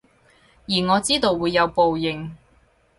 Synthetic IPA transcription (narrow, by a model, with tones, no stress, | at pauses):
jiː˨˩ŋɔː˨˧t͡siː˥t̪o˨wːuː˨˧jːɐ˨˧wpo˨wjɪ˨˩ŋ